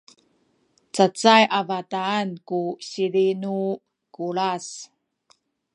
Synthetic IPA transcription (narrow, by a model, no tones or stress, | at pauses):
t͡sat͡sajʔavataːnkuɕilinu | kuɭas